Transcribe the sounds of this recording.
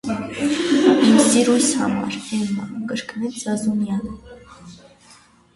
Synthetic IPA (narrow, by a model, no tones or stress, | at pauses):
imsiɾujshɑ̰mɑ̰ɾɛmːɑkəɾknɛt͡sd͡zɑzunjɑl